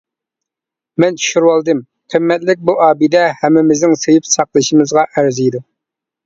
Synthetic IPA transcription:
mɛnt̪ʰy̥ʃyɾwɑlˠd̪ɨm | qʰəmːɛt̪lɪk̚ʲbuʔɑːbid̪ɛhɛmːɪmɪznɪŋsejipsɑqlˠɨʃimɨzʁɑʔæɾzijd̪u

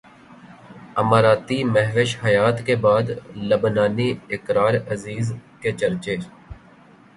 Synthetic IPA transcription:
əmaːɾaːt̪imɛɦʋɪʃhɐjaːt̪kebaːd̪ləbnaːniɪkɾaːɾəziːzkeːt͡ʃəɾt͡ʃeː

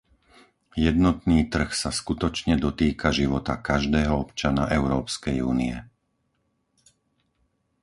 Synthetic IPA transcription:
jɛd̪nɔt̪niːt̪r̩xsaskut̪ɔt͡ʃɲɛd̪ɔt̪iːkaʒiʋɔt̪akaʒd̪ɛːɦɔɔpt͡ʃana̰ʔɛʊɾɔːpskɛjṵːniɛ

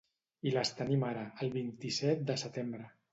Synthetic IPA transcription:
iləst̪ənimaɾaːlˠβint̪isɛt̪̚d̪əsət̪embɾə

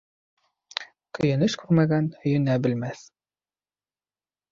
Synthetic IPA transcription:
kɵ̆jɘ̆nɘʃkʉɾmæɡænhɵ̆jɵ̆næbɘ̆lmæθ

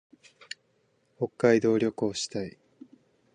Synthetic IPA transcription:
ho̞kːaid̪o̞ːɾʲo̞kɯ̟oɕi̥t̪ai

